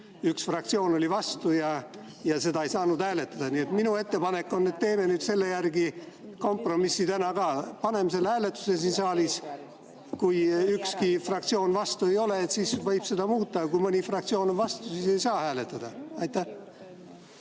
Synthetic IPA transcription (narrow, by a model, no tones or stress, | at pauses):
yksfrɑk̚t̪sio̞ːno̞lʲivɑst̪ujɑ | jɑse̞d̪ɑejsɑːnud̪hæːle̞t̪ːˑɑd̪̥ɑniet̪minue̞t̪ːe̞pɑne̞kːˑo̞nːe̞t̪ːe̞ːme̞nyːd̪̥se̞lːe̞jærɡi | ko̞mpro̞misːit̪ænɑkɑːpɑne̞mse̞lːhæːle̞t̪ːˑu̥ses̬insɑːlis | kujykskifrɑkt̪sio̞ːnvɑst̪ue̞jo̞le̞ːt̪siːsvɤjb̥se̞d̪ɑmuːt̪ːˑɑkujmɤnʲifrɑkt̪sio̞ːno̞nvɑst̪usiːse̞jsɑːhæːle̞t̪ˑːɑd̪̥ɑɑjt̪ːæ